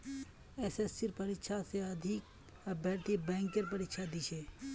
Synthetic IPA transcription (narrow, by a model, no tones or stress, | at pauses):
esesiɾpɐɾɪkʃʰaseɐd̪ʱɪk̚ | bʱɛːɾt̪ibɛ̃ːŋkəɾpɐɾɪkʃʰad̪it͡ʃʰe